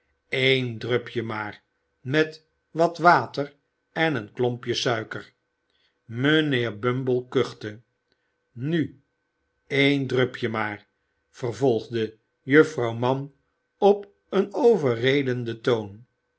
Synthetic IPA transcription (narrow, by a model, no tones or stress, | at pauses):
ejndrøpjəmaːr | mɛt | ʋɑtʋaːtər | ɛnənklɔmpjəsœɥkər | məneːɹbømbəlˠkøχtə | ny | ejndrøpjəmaːr | v̥ərvɔlˠχdə | jɵfrɑwmɑn | ɔp | ənowvərejdəndətown